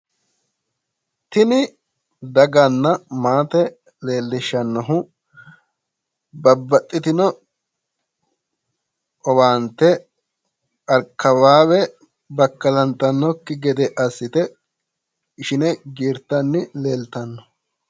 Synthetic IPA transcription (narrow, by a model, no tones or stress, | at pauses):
t̪ɪnɪ | d̪ɐɡɐnːɐmaːt̪ɛ | leːlːɪʃɐnːɔɦʊ | bɐbːɐt̪ʼːɪt̪ɪnɔ | ɔwaːnt̪ɛ | ɐɾkːɐbaːwɛ | bɐkːɐlɐnt̪ɐnːɔkːɪɡɛd̪ɛʔɐsːɪt̪ɛ | ɪʃɪnɛɡiːɾt̪ːɐnːɪle̞ːlt̪ɐnːɔ̥